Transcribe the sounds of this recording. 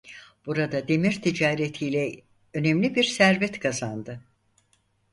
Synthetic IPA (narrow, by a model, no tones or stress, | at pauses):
b̥uɾad̪ad̪e̞miɾt̪ʰid͡ʒaːɾet̪ʰijlʲɛ | ø̞nɛmlʲibiɾsæɾbɛt̪kʰazand̪ɯ